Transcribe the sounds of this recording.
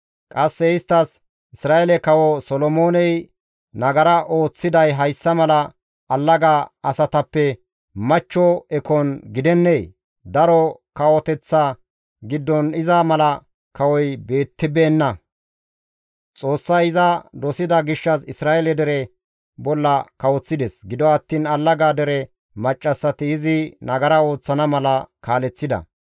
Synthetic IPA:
kʼɐsːɛɪst̪ːɐs | ɪsɾaːʔɛlɛkɐwɔsɔlɔmoːnɛj | nɐɡɐɾɐʔo̞ːt͡sːɪd̪ɐjɦɐjsːɐmɐlɐ | ɐlːɐɡaɐsɐt̪ɐpːɛ | mɐt͡ʃːɔɛkɔnɡɪd̪ɛnːej | d̪ɐɾɔkɐwɔt̪ɛt͡sːa | ɡɪd̪ːɔnɪzamɐlɐ | kɐwɔjbe̞ːt̪ːɪbeːnːɐ | t͡sʼo̞ːsːɐjɪzɐd̪ɔsɪd̪ɐɡɪʃːɐsɪsɾaːjɛlɛd̪ɛɾɛ | bɔlːɐkɐwɔt͡sːɪd̪ɛsɡɪd̪ɔɐt̪ːiːnɐlːɐɡaːd̪ɛɾɛ | mɐt͡ʃʼːɐsːɐt̪ɪːzɪnɐɡɐɾao̞ːt͡sːɐnɐmɐlɐkaːlɛt͡sːɪd̪ɐ̰

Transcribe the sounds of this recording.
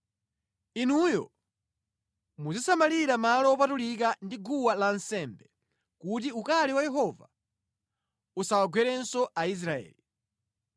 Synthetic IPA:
inujɔ̰ | muzisamaliɾamalɔɔpatulik̬andiɡuwalansɛmbɛ | kut̬iukalɛwajɛɦɔva̰ | usawaɡwɛɾɛnsɔʔais̬ɾaɛ̰ːli

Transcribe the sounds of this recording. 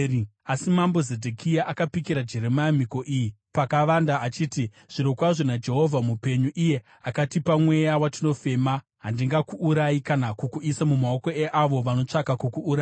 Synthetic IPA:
asimambo̞zedʱekʰijaʔakapikiɾad͡ʒe̞ɾemajam̤iko̞ʔiji | pakaʋandaːt͡ʃiːti | ʐ̥iɾo̞kwaʐonad͡ʒe̞ɦo̞vʱamupe̞ɲuʔije̞ | akatipamwe̞jawatino̞fe̞ma | ɦandiŋɡakuːɾaikanakukuisamumaoko̞eʔaʋo̞ʋano̞t͡ʂakakukuːɾa

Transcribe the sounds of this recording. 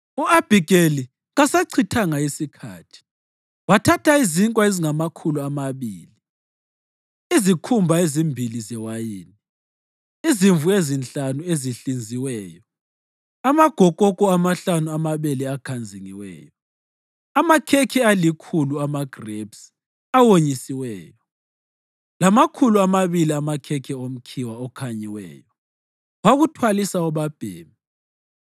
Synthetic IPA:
uab̥ʱiɡʼeli | ɣasaǀʰitʰaŋaisikʰa̰ːtʰi̥ | watʰatʰaiziŋkʼwaeziŋamakʰuluamaβiːli | izikʰumbʱaezimbʱilizɛwajiːni | iziɱvuezint͡ɬʼanueziɬind͡zʱiwɛːjɔ | amaɡ̥ʱɔkʼɔkʼɔamaɬanuamaβɛlɛakʰand͡zʱiŋiwɛ̰ːjɔ | amakʰɛkʰɛalikʰuluamaɡ̥ʱrebs | awoɲisiwɛːjɔ | lamakʰuluamaβiliamakʰɛkʰɛom̩kʰiwaɔkʰaɲiwɛ̰ːjɔ | waɣutʰwalisaɔβab̥ʱeːmi

